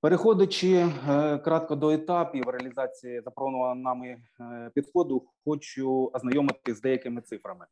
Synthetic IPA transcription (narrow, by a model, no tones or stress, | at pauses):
peɾexɔd̪ɐt͡ʃɪkɾɑt̪̚kɐd̪ɔet̪ɑpʲiʋɾeɐlʲizɑt͡sʲijizɐpɾɔnʊʋɐnɐmɪ | pʲid̪xɔd̪ʊxɔt͡ʃʊɐznɐjɔmɪt̪ɪzd̪ɛjɐkɪmɪt̪sɪfɾɐmɪ